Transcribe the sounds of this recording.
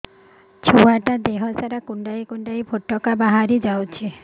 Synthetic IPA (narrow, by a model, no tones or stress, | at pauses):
t͡ʃʰuaʈad̪eɦɔsaɾakuɳɖajkuɳɖajbʱoʈːɔkabaɦaɾid͡ʒawt͡ʃʰi